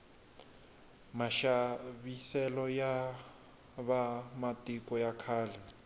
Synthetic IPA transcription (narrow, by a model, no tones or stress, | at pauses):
maʃaβisɛlɔja | βamatʼikɔjakʰaːlɛ